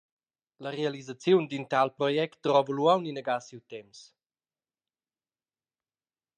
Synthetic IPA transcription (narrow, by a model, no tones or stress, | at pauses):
ləɾealizat͡sjund̪int̪alpɾɔjɛkt̪̚drɔvəluawnineɡasiwt̪ɛms